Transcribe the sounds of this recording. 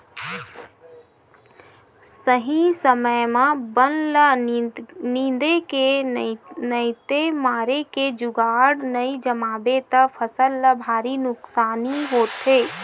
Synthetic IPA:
səɦĩsəməjmãbənlə | nĩːnd̪eke | nəɪt̪emaːɾeked͡ʒʊɡaːɽnəid͡ʒəmaːbet̪əpʰəsəlːəbʱaːɾinʊksaːniɦoːt̪eː

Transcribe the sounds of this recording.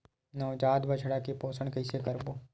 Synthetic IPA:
noːd͡ʒaːd̪bɐt͡ʃʰɽakipoːsəɳ̃kɐɪsekɐɾboː

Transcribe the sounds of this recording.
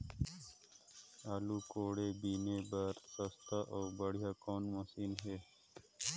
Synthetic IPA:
aːlukoːɽebiːnebɐɾsɐst̪aʔoːbɐɽ̤jakoːnmosiːnɦeː

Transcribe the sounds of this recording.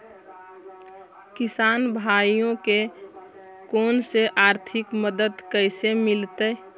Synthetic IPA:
kɪsaːnbʱaːijõke | koːnseʔaːɾt̪ʰɪkməd̪əd̪kəɪsemɪlt̪əː

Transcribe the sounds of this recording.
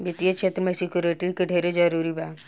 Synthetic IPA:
bɪt̪ijɐt͡ʃʰet̪ɾəmesɪkjuɾeʈikeɖʱeɾed͡ʒɐɾuːɾibaː

